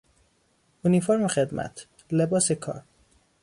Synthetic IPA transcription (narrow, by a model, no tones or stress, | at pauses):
unifoɾmexed̪mʔæ̰t̪ʰ | lebɒːsekʰɒ̰ːɾ